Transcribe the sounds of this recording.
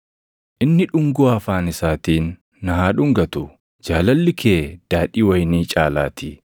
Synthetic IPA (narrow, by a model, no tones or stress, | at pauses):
ʔɪnːɪᶑʊŋɡʊɐfaːnɪsaːt̪iːnː | ɐhaːᶑʊŋɡɐt̪ʊ | d͡ʒaːlɐlːɪkʰeːd̪̥aːᶑiːwɐjniːt͡ʃʼaːla̰ːt̪i